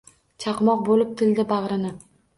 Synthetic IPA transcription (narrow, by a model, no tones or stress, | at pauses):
t͡ʃʰɑqmɒq̚bolɪp̚t̪ʰɪld̪ɪbɑʁɾɪnɪ